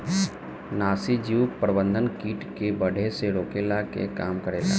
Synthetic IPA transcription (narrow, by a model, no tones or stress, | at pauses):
naːsid͡ʒiwpɾəbə̃nd̪ʱənkiːʈkebəɽʱeseɾoːkelakḛkaːmkəɾeːla̰ː